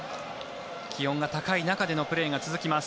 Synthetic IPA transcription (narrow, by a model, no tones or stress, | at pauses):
kʲihõ̞ŋɡat̪akainakad̪e̞no̞pɯ̟ɾe̞ːɡat͡sɨzɨkʲimasɨ̥